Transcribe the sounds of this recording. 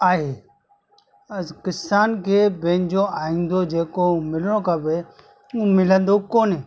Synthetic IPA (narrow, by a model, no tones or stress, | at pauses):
aːɦeː | kɪsaːnkʰeːbẽːnd͡ʑoaːɦĩːnd̪od͡ʑeːkõmɪlɽ̃okəbe | ũːmɪlə̃nd̪okoːne